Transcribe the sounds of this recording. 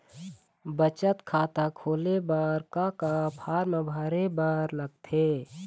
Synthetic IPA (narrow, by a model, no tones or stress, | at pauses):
bət͡ʃət̪kʰaːt̪akʰoːlebaːɾkakapʰaːɾməbʱaːɾebaːɾləɡ̚t̪ʰeː